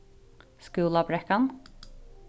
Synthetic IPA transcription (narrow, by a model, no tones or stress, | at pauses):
skʉːlabɾɛkan